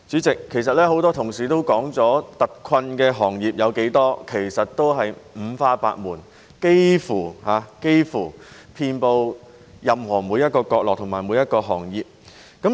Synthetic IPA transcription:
t͡syː˨˥t͡sɪ˨kʰːe˨˩js̬ɐ˨t̚lɛː˥ho˨˥wt̪ɔː˥t̪ʰʊ˨˩ŋsiː˨˩t̪o˥wkɔː˨˥ŋt͡sɔː˨˥t̪ɐ˨t̚kʰɐ˧nkɛː˧ɦɔː˨˩ŋjiː˨p̚jɐ˨˧wke˨˥jt̪ɔː˥kʰe˨˩jsɐ˨t̚t̪o˥wɦɐ˨jm̩˨˧˥faː˥pa̰ː˧t̚muː˨˩n | ke˥jfuː˨˩haː˨˧ke˥jfuː˨˩ | pʰiː˧npo˧w | jɐ˨mhɔː˨˩muː˨˧jɐ˥t̚kɔː˧kɔː˧k̚lɔː˨k̚t̪ʰʊ˨˩ŋmaː˨˩jmuː˨˧jɐ˥t̚kɔː˧ɦɔ̰ː˨˩ŋjiː˨p̚ | kɐ˨˥m

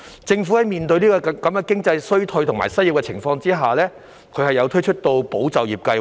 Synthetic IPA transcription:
t͡sɪ˧ŋfuː˨˥hɐ˨jmiː˨˩nt̪ɵ˧ɥniː˥kɔ˧˨kɐ˨˥mkɛː˧kɪ˥ŋt͡sɐ˧jsɵ˥ɥt̪ʰɵ˧ɥt̪ʰʊ˨˩ŋma̰˨˩jsɐ˥ji˧wkɛ˧t͡sʰɪ˨˩ŋfɔː˧ŋt͡siː˥ɦaː˨˩lɛː˥ | kʰɵ˨˧hɐ˨jɐ˨˧wt̪ʰɵ˥t͡ʃʰɵ˥t̚t̪o˧wpo˨˥wt͡sɐ˨wjiː˨p̚kɐ˧j

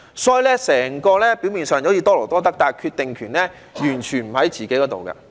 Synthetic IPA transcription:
sɔː˨˥ji˨˧lɛː˥sɛː˨˩ŋkɔː˧lɛː˥piː˨˥wmiː˨nsœː˨˩ŋjɐ˨˥wjiː˧t̪ɔː˥lɔ˨˩t̪ɔː˥t̪ɐ˥k̚t̪aː˧kʰyː˧t̪e˨ŋkʰyː˨˩nlɛː˥ | jyː˨˩nt͡ʃʰyː˨˩nm̩˨˩hɐ˨˥jt͡siː˨ke˨˥jkɔː˨˧˥t̪o̰˨wkɐ̰˧

